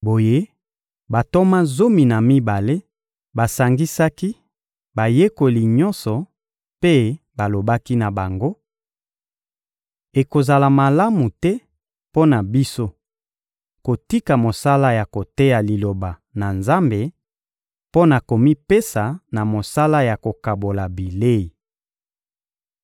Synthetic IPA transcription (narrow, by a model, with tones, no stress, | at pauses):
bo˨je˦ | ba˨to˦ma˦zo˦mi˨na˨mi˦ba˨le˦ | ba˨sa˨ŋɡi˦sa˦ki˦ | ba˨je˦ko˨li˨ɲɔ̃˦nsɔ˨ | pe˦ | ba˨lo˨ba˦ki˦na˨ba˨ŋɡo˦ | e˨ko˨za˨la˨ma˨la˦mu˨tɛ˦ | po˦na˨bi˦so˦ | ko˨ti˦ka˨mo˨sa˦la˦ja˨ko˨te˦ja˨li˨lo˨ba˨na˨nza˦mbe˨ | po˦na˨ko˨mi˦pe˦sa˨na˨mo˨sa˦la˦ja˨ko˨ka˨bo˨la˨bi˨le˦i˨